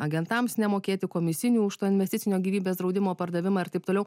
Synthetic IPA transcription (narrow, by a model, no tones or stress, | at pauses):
ɐɡʲɛnt̪ɐmsnʲɛmoːkʲeːt̪ʲɪkoːmʲɪsʲɪnʲuːʊʃt̪oːɪnʲʋʲɛsʲt̪ʲɪtsʲɪnʲoːɡʲiːʋʲiːbʲeːsd̪ɾɒʊd̪ʲɪmoːpɐɾd̪ɐʋʲɪmɑːɪɾt̪ɐɪp̚t̪oːlɛʊ